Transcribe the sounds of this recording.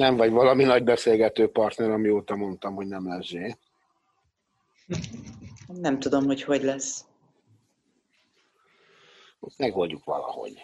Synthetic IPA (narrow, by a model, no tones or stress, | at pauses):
nɛɱvɒɟvɒlɒminɒɟ̚bɛseːlɡɛt̪øːpɒrt̪nɛɾɒmioːt̪ɒmo̞nt̪ɒmho̞ɟnɛmlɛzʒeː | nɛmt̪ud̪o̞mho̞cho̞ɟlɛsː | ot̪mɛɡɦo̞lɟukʋɒ̰lɒ̰ho̞̰ɟ̥